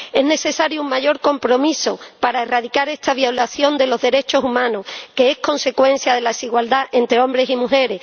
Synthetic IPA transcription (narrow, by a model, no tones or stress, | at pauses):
e̞zne̞θe̞saɾjuuŋmaʝo̞ɾko̞mpɾo̞miso̞paɾae̞rað̞ikaɾe̞st̪aβjalaθjo̞nd̪e̞lo̞zðe̞ɾe̞t͡ʃo̞sumãnohke̞e̞hko̞nse̞kwe̞n̟θjaðe̞laðesiɣwald̪aʔent̪ɾeo̞mbɾe̞simuxe̞ɾe̞